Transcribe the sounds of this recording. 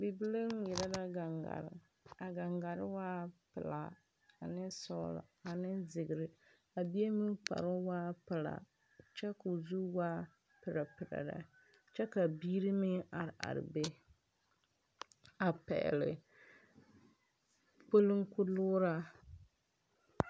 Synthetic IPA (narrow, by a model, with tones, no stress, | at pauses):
bi˨bi˦le˦ŋ˦jɪ˨ɾa˦da˦ɡa˨ŋɡa̰˨ɾ | a˨ɡa˨ŋɡa˨ɾɪ˦waː˦pɪ˨la˨ | a˨nɪ˦sɔ̰˦lɔ̰˨a˨nɪ˦zɪ˨ɡɪ˨ɾɪ˦ | a˨bi˦e˦mi˦pa̰˨ɾʊ˦waː˦pɪ˨la̰˨ | t͡ʃɛ˦ku˨zu˦wa˦ | pɪ˨ɾa˨pɪ˨ɾa̰˨da̰˨ | t͡ʃɛ˦ka˨biː˦ɾi˦mɪ˦a˨ɾɪ˨ʔa̰˨ɾɪ̰˨be˦ | a˨pɛ̰˨lɪ̰˨ | po˦lɨ˦ŋkʊ˦lʊː˦ɾa˦